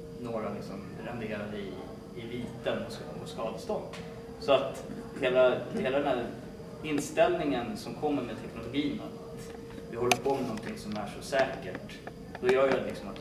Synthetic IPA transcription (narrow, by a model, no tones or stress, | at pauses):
noːɾalɪksɔm | ɾɛnd̪eːɾad̪əɪ | ɪviːt̪ənɔs | ɔskɑːd̪əst̪ɔpː | sɔat̪heːlaheːlad̪ɛnd̪æɾ | ɪnːst̪ɛlnɪŋənsɔmkʰɔmːəɾmeːd̪t̪ʰɛknʊlʊɡiːnat̪ | vɪhɔlːəɾpʰoːmɛnɔnt̪ʰɪŋsɔmæʂɔsɛːkəʈ | d̪̥ɔjœːjad̪ɛlɪksɔmat̪